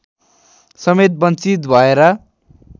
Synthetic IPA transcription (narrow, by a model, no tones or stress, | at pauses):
sʌmet̪̚bʌnt͡sit̪bʱʌeɾʌ